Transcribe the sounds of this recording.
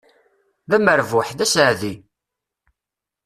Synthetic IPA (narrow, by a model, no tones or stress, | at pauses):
ðæməɾvʊħðæsəʕði